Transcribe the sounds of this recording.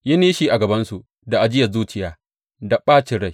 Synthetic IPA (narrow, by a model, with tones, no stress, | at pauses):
jɐ˦niː˦ʃiː˨ʔa˨ɡɐ˨bɐ˦nsu˨ | da˨ʔa˨d͡ʒɪ˦jɐ˨zuː˦t͡ʃɪ˨jaː˦ | da˨ɓaː˦t͡ʃɪ˨ɽɐ˦j